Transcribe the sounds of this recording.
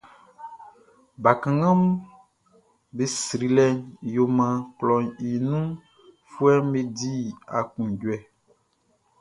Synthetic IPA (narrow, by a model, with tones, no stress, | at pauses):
ba˨kã˨ŋã˦m | be˦sɾi˨lɛ˦njo˨mã˨klɔ˨ɲi˨nũ˦ | fu˦ɛ˦m˦be˦di˦a̰˨kũ˨ɟwɛ˨